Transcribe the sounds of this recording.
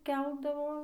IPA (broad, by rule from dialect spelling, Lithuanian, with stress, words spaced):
ˈkʲɛlˠdɐʋoː